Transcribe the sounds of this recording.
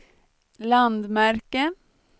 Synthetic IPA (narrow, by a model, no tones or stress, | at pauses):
lɑnd̪mæɾkə